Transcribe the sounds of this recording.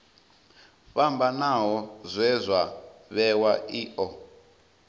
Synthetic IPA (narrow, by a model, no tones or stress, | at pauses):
ɸambanaɦɔzʷɛzʷaβɛwaʔiːʔɔ